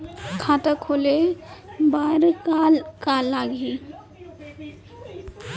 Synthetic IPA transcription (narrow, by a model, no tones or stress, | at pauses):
kʰaːtakʰoːle | baːɾkalkalːaːɡi